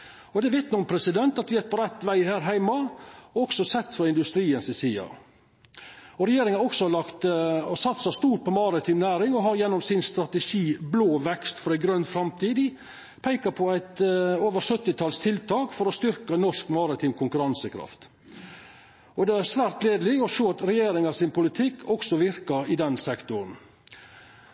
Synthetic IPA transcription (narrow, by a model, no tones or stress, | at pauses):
ɔd̪ɛʋɛt̪nʊʊmpʰɾɛsɪd̪ɛnt̪ɑt̪ʋɪæɾpʰɔɾɛt̪ːʋæɪhæːɾɦæɪmɑɔɔksɔsɛt̪ːfɔɾɪnd̪ʉst̪ɾiːənsɪsiːɑ̰ | ɔɾɛjeːɾɪŋəɔksɔɑlɑkt̪sɑt̪ːsɑst̪uːɾ̚pɔmɑɾɪt̪ʰiːmnæːɾɪŋɔɦɑɾjɛnːɔmsɪnst̪ɾɑt̪ɛʃiːbloːʋɛkst̪fɔɾæɪɡɾœnːfɾɑmt̪ʰiːd̪ɪ | pʰæɪkəɾpʰɔæɪt̪oːʋəɾsœt̪ːɪt̪ʰɑlst̪ʰɪlt̪ʰɑːkfɔɾɔst̪ʏɾkənɔʂkmɑɾət̪ʰiːmkʰʊŋkʉɾɑnsəkʰɾɑ̰ft̪ | ɔd̪ɛæɾʂʋæːɾt̪leːd̪əlɪɔʂoːɑt̪ɾɛjeːɾɪŋɑsɪnpʊlɪt̪ʰɪkːʰɔksɔʋɪɾkəɾɪd̪ɛnsɛkt̪ʊɾn̩